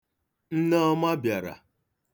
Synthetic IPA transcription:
n̩˦na˦ɔ˦ma˦bja˨ɾa̰˨

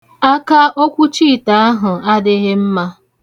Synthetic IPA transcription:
a˦ka˦ʔo˦kʷu˦t͡ʃi˦˨ta˨a˦ɦʊ˨a˦dɪ˦ɦe˦m̩˦ma˦

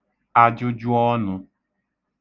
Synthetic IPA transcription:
a˦d͡ʒʊ˦d͡ʒu˦ɔ˦nʊ˧

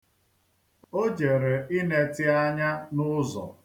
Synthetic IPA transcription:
o˦d͡ʒe˨ɾe˨ɪ˦ne˨tɪ˦a˦ɲa˦nʊ˦zɔ̰˨

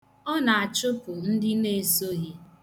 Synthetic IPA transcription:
ɔ˦na˨a˨t͡ʃʊ˦pʊ˨n̩˦dɪ˦ne˦˨so˦ɦi˦

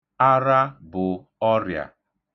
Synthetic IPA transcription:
a˦ɾa˦bʊ˨ | ɔ˦ɾja̰˨

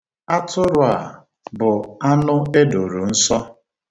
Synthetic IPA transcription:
a˦tʰʊ˦ɾʊ˨a˨ | bʊ˨a˦nʊ˦e˦do˨ɾu˨n̩˦sɔ˦

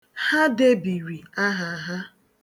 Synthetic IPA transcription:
ha˦de˦bi˨ɾi˨a˦ɦa˨˦ɦa˦

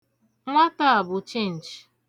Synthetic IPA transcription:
ŋʷa˦ta˦a˨bʊ˨t͡ʃe˦˨n̩˨d͡ʒ

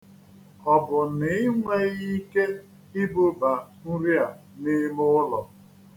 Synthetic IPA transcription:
ɔ˨bʊ˨nɪ˨ɪ˦ŋʷe˦ɣi˦ke˦ | i˦bo˦ba˨n̩˦ɾi˦a˨ | nɪ˦mʊ˦ʊ˦lɔ˨

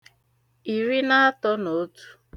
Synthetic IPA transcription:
i˨ɾi˦na˦a˦tɔ˦no˨˦tu̥˦

